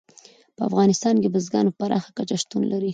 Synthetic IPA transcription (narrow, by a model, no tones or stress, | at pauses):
pəa̰fɣɑnɪst̪ɑnkebəzɡɑ̰nopaɾɑ̰xḁkat͡ʃaʃt̪unlʔaɾi